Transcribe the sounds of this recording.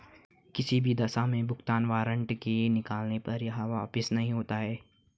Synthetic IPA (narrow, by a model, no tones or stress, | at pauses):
kɪsibʱid̪ɐsamẽbʊxt̪aːnʋaːɾə̃ɳʈkenɪkaːlnepɐɾjɐɦãʋaːpɪsnɐɦĩɦoːt̪aɦɛː